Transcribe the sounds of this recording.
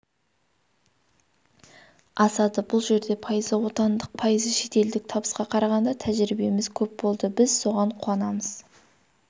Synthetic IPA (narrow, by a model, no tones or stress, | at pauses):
ɑsɑd̪əbʊlˠʒe̞ɾd̪e̞pʰɑjəzəwo̞t̪ɑnd̪əq̚pʰɑjəzəʃe̞t̪e̞ld̪ɪk̚t̪ʰɑbəsqɑqʰɑɾɑʁɑnd̪ɑt̪ʰæʒɾibe̞mɪzkʲʰɵp̚bo̞lˠd̪əbɪzso̞ʁɑɴqʰuɑnɑməz̥